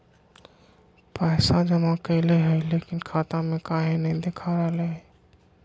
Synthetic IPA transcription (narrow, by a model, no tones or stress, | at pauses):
pəɪsad͡ʒəmakəɪleɦəjlekinkʰat̪amẽkaɦẽnəid̪ekʰaɾəɦleɦ